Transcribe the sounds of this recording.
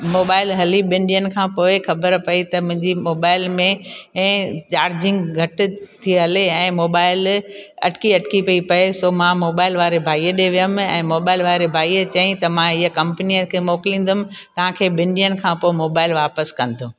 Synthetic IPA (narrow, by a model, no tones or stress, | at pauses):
moːbaːɪlɦɐliɓɪ̃ɳɖijənkʰãːpoːɪxɐbəɾpɐit̪ɐmʊ̃ɦɪ̃ɲd͡ʑimoːbaːɪlmẽ | t͡ɕaːɾd͡ʑɪ̃ŋɡɡʱɐʈɪ̆t̪ʰiɐleɛ̃ːmoːbaːɪlɐ̰ʈkiɐʈkipɐipɐesoːmãmoːbaːɪlʋaːɾebʱaːieɗeʋijəm̆ɛ̰̃ːmoːbaːɪlʋaːɾebʱaːiːet͡ɕɐĩt̪ɐmãɪɦəkɐ̃mpniəkʰeːmoːkɪlĩːn̆d̪ʊmɪ̆ | t̪ɐʋ̤ãkʰeːɓɪ̃ɳɖijənkʰãːpoːɪmoːbaːɪlʋaːpəskɐ̃n̆d̪ʰʱõː